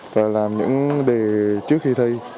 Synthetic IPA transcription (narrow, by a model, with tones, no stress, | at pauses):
vaː˨˩laː˨˩mɲɨ̰˧˥ŋɗe˨˩t͡ɕɨ˦˥ək̚xi˧t̪ʰə˧j